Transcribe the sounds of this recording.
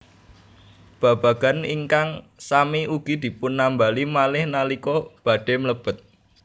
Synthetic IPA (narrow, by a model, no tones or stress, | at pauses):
b̥ä̤b̥ä̤ɡ̥a̤niŋkaŋ | samiʔuɡ̥i̤d̪̥i̤pʊnːambalimalɪhnalikɔb̥ä̤ɖ̥e̤mələb̥ə̤t̪̚